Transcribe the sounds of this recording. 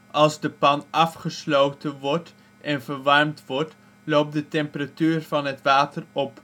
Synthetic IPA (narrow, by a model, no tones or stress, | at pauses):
ʔɑlˠzdəpɑnʔɑfχəslowtənʋɔɹt | ʔɛnvəɹʋɑrmtʋɔɹt | lowp̚dətɛmpəratyːrvɑnɦətʋaːtərɔp